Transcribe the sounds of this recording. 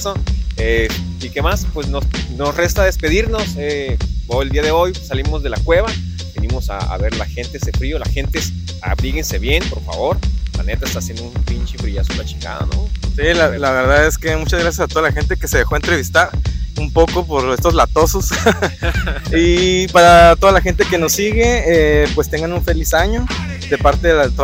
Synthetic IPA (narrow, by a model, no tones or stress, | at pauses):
soe | ike̞maspwesnosno̞sre̞st̪aðe̞spe̞ðiɾno̞seoeld̪iaðe̞o̞jsalimo̞zðe̞lakwe̞βa | benimo̞sa̰a̰βe̞ɾlasxe̞nt̪eesefɾio̞lasxe̞nt̪es | a̰βɾiɣense̞βje̞npo̞ɾfa̰βo̞ɾla̰ne̞t̪aest̪aːsje̞nd̪oumpint͡ʃifɾiʝasulat͡ʃiŋɡa̰ða̰no̰silalaβe̞ɾðaðe̞ske̞mut͡ʃazɣɾasjasat̪oðalaxent̪e̞keseðexoae̞nt̪ɾe̞β̞ist̪aɾumpo̞ko̞poɾe̞st̪ozlat̪o̞so̞s | ipaɾat̪o̞ðalaxe̞nt̪e̞keno̞sːiɣe̞epwest̪e̞ŋɡanuɱfe̞lisaɲo̞ | d̪e̞paɾt̪eðet̪o